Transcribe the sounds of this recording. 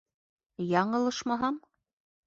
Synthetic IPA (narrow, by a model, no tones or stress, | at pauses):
jɑɴɤ̆lˠɤ̆ʃmɑɦɑm